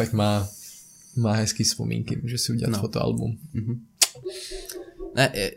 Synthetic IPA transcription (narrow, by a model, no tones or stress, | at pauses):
ɛkmaː | maːɦɛskiːspɔmḭːŋkḭʒɛsiuɟɛafɔt̪ɔa̰lbṵm | nʔɛʔ